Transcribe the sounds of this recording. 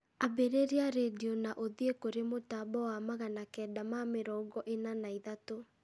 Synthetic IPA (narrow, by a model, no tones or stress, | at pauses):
abeɾeɾiaɾediɔnaʔoðiekoɾemotabɔwamaɣanakɛːdamameɾɔːɡɔʔenanaiðato